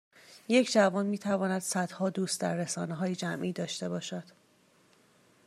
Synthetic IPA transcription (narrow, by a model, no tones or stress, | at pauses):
je̞cʰd͡ʒævɒːnmiːt̪ʰævɒːnæd̪̥sæd̪̥hɒːd̪uːst̪d̪æ̰ɾːesɒːneɦɒːjed͡ʒæmʔiːd̪ɒːʃt̪e̞bɒːʃæd̪̥